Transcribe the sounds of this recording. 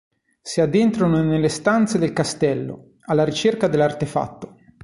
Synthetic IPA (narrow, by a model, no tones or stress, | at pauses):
siad̪ent̪ɾanonelːest̪ant̪sed̪elkast̪ɛlːo̰ | alːaɾit͡ʃerkad̪elːart̪efa̰t̪ːo